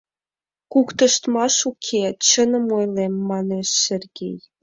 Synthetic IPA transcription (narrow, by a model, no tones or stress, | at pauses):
kukt̪ə̆ʃt̪mɑʃukʰet͡ɕənə̆mojlemːɑneʃːerɡḛj